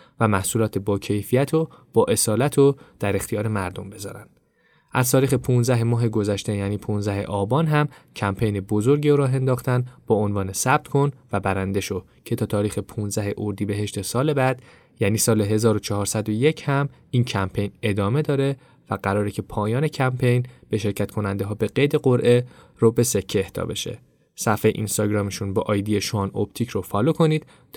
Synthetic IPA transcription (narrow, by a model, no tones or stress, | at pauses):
væmæhsuːlɒːt̪ʰebɒːcʰe̞jfijæt̪ʰob̥ɒːʔe̞sɒːlæt̪ʰod̪̥æɾe̞xt̪ijɒːɾe̞mæɾd̪o̞̰mbe̞zɒ̰ːɾæ̰nd̥̪ | ʔæz̥t̪ʰɒːɾiːxe̞pʰũnzæɦemɒːɦeɡo̞zæʃt̪e̞jæːniːpʰũnzæɦe̞̰ʔɒːbɒːnɦæmcʰæmpʰejne̞bozo̞ɾɟioɾɒːɦe̞nd̪ɒːχt̪ænb̥ɒonvɒːne̞sæb̥̚t̪kʰo̞nvæbæɾænd̪e̞ʃo | cʰe̞t̪ʰɒːt̪ʰɒːɾiːxe̞pʰũnzæɦeʔoɾd̪iːbe̞ɦe̞ʃt̪e̞sɒːle̞bæd̪̥ | jæːniːsɒːleɦe̞zɒːɾo̞t͡ʃʰɒɦɒːɾsæd̪o̞je̞cʰhæmiːncʰæmpʰe̞jne̞d̪ɒːme̞d̪ɒːɾe̞ | væɡæɾɒːɾecʰe̞pʰɒːjɒːne̞cʰæmpʰe̞jnb̥e̞ʃe̞ɾcʰæt̪kʰo̞nænd̪eɦɒːbe̞ɡe̞jd̪e̞ɢoɾʔe̞ | ɾobe̞se̞cʰːeːht̪ʰɒ̰ːbe̞̰ʃḛ | sæfejʔḭnst̪ɒːɟɾɒːmeʃunbɒːʔɒjd̪ijeʃoɒno̰pt̪ʰicʰɾofɒːlokʰo̞niːd̪